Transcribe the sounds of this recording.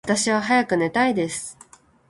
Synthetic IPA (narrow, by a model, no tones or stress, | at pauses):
t̪aɕiβaɦajakɯ̟ne̞t̪aid̪e̞sɨ̥